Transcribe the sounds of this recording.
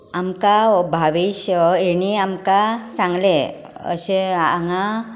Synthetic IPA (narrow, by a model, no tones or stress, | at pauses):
amkabʱaʋiɕeɽ̃iamkasãŋɡle | ə̰ɕea̰ŋa